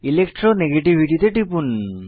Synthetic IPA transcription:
ilekʈɾɔneɡeʈibʱiʈit̪eʈipun

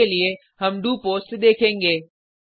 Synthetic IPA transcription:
elie | ɦɐmɖupoːsʈɗ̪eːkʰẽːŋ̆ɡeː

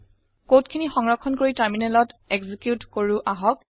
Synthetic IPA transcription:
kotkʰinixɔŋɹɔkʰːɔnkoɹitaɹminɛlɔtɛɡzikjutkoɹuʔaɦɔk̚

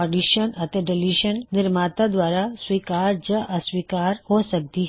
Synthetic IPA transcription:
ɔɖiːʃənɐt̪ɛɖɪliːʃənːɪɾmaːt̪ãd̪waːɾaswiːkaːɾd͡ʒəʔɐswiːkaːɾhosɐk̚t̪i

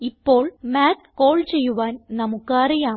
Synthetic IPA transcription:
ipːo̞ːɭmaːt̪ko̞ːɭt͡ɕe̞jːuʋaːnnɐmukːrijaː

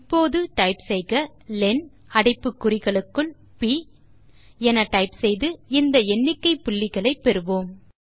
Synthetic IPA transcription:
pːoːðɯʈɐɪpsɛjɣɐlɛn | ɐɽɐɪpːɯkːʊrɪɣɐɭɯkːɯɭ | pi | ɛnɐʈɐɪpsɛjðɯɪnd̪ɐɛɳːɪkːɐɪpːʊɭːɪɣɐɭɐɪpːɛɾɯʋoːm

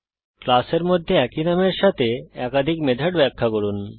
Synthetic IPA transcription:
klaseɾmod̪ʱːeɛkinameɾʃat̪ʰeɛkad̪ʱikmed̪ʱaɖbɛkʰːakoɾun

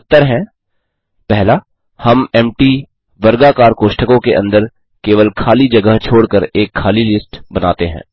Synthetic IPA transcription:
t̪ːəɾɦɛ̃ː | pɛɦla | hɐmɛːmʈi | ʋɐɾɡakaːɾkoːʃʈʰəkõkeʔɐ̰̃nd̪əɾ | keːʋəlkʰaːlid͡ʒɐɡəɦt͡ʃʰoːɽkəɾeːkʰːaːlilɪsʈbɐnaːt̪eɦɛ̰̃ː

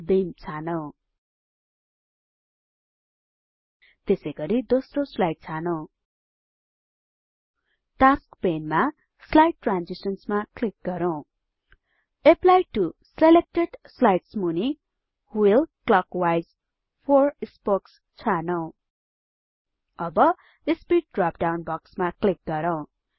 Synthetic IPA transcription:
bimt͡sʰano | t̪esʌjɡʌɾid̪osroslajʈ̚t͡sʰanow | ʈaskpenma | slajʈ̚ːranzisʌnsmaklik̚ɡʌɾow̃ | eplajʈuselek̚ʈeɖslajʈsmuni | hwilklʌkwajz | pʰorispoks | t͡sʰanʌw | ʌbʌ | ispiʈ̚ɖrap̚ɖawnbʌksmaklik̚ɡʌɾʌw̃

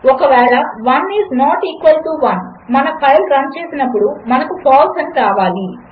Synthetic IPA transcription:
ɔkɐʋɛːɾɐʋɐnːiːsnoːʈikʋɐlʈuːʋɐn | mɐnɐpɐjlɾɐnt͡ʃeːsinɐpːuɽumɐnɐkupʰaːlsɐniɾaːʋaːli

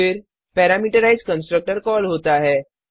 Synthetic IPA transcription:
ɪɾ | pɛːɾaːmiːʈəɾaːɪzkə̃nsʈɾək̚ʈəɾkɔːlɦoːt̪aɦɛː

